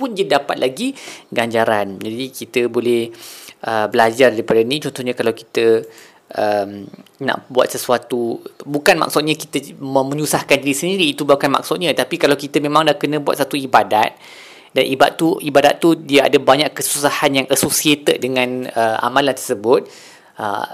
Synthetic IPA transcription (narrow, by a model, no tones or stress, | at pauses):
pʊndiadapa̰t̪̚lʔaɡiɡaɲd͡ʒaɾand͡ʒadikit̪əbolɛhʔəbəlad͡ʒardaɾipadanĩt͡ʃɔnt̪ɔhɲãkalawki̥t̪ə | əmna̰ʔbua̰t̪̚səsuat̪ubukanma̰k̚sut̪̚ɲakit̪əməmə̃ɲusahkandiɾisəndiɾiːt̪ubakanma̰ksʊt̪̚ɲãt̪apikalawkit̪əmẽmãŋdaʔkənə̃buat̪sat̪uibadat̪̚ | daniba̰t̪̚ːuʔibadat̪ːudiaa̰dabaɲãkkəsusahanjaŋʔəsusiet̪ət̪̚dəŋãnəa̰mãlant̪ə̥rsəbʊt̪̚ | ə̰